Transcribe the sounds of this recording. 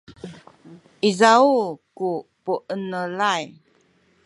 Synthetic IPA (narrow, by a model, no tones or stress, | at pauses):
izaukupuʔənəlaj